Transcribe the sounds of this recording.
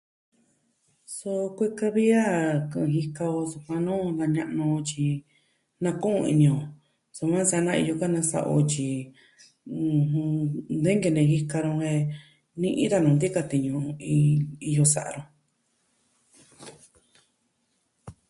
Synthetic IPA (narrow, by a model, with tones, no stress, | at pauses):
so˧kʷe˦ka˧βi˦a˦˨kɨ̃˧ɦi˦ka˧o˧su˧kʷã˧nũː˦d̪a˧ɲã˧ʔnũ˧o˧t͡ʃi˧ | nã˧kũ˦ũ˧ḭ˧nĩ˧õ˨ | so˧mã˦sa˧˦nã˧ḭ˧jo˧ka˦nã˧sa̰˧ʔo̰˧t͡ʃi˧ | nd̪e˦ŋɡe˧nẽ˧ɦi˦ka˧ɾõ˧he˧ | nĩ˧ʔḭ̃˦t̪a˧nũ˨˧nd̪i˦ka˧t̪i˨ɲũ˧i˧i˧jo˧sa˨ʔa̰˧ɾõ˧